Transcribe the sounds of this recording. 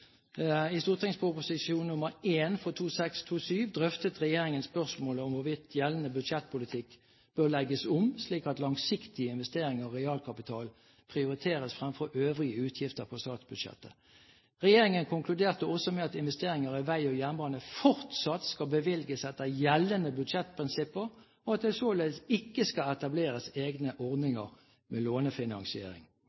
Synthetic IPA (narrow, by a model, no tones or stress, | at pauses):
ɪst̪uːʁt̪ʰɪŋspʰʊpʊsɪsuːnnʊməɾeːnfɔt̪ʰuːsɛkst̪ʰuːsyːʋd̪ʁœft̪ət̪ʁɛjeːɾɪŋənspœʁsmoːləɔmʋʊʋɪt̪ʰjɛlənəbʉd̪ʃɛt̪̚ːpʰʊlɪt̪ʰɪkː | b̥øʁlɛɡəsʊmsliːkɑt̪lɑŋsɪkt̪ɪəɪnʋɛst̪eːɾɪŋəʁɔʁɛɑːlkʰɑpɪt̪ʰɑːl | pʰʁɪʊɾɪt̪ʰeːʁəsfʁɛmfɔɾʔøːʋʁɪəʉːt̪ʰjɪft̪əɾpʰɔst̪ɑːt̪sb̥ʉd̪ʃɛ̰t̪ːə | ʁɛjeːʁɪŋənkʰʊŋkʰlʉd̪eːʁt̪əɔsɔmɛɑt̪ɪnʋɛst̪eːɾɪŋəɾɪʋæɪɔjænbɑːnəfɔʁt̪sɑt̪skɑbəʋɪlɡəsɛt̪̚d̪æɪjɛlːənəbʉd̪ʃɛt̪pʰʁɪnsɪpːəʁ | ɔɑt̪̚d̪ɛsoːlesɪkːəskɑɛt̪ɑbleːʁəseːɡnəʔɔʁd̪nɪŋəʁ | mɛloːnəfɪnɑŋsɪḛːɾɪ̰ŋ